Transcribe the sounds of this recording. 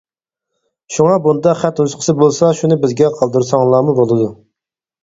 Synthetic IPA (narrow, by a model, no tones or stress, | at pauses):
ʃuŋɑbund̪ɑχɛt̪huzqʰə̥sɨbolˠsɑʃunɪbɪzɡʲɛqʰɑlˠd̪uɾsɑŋlˠɑːmubolˠɨd̪u